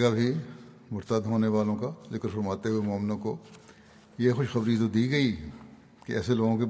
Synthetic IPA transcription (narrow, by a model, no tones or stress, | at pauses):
ɡabʱi | mʊɾt̪aːd̪ɦoːneʋaːlõkazɪkəɾfɐɾmaːt̪eɦuemɔːmnõko | jexʊʃxɐbɾit̪od̪iːɡɐi | keɛ̰ːseloːɡõk̬e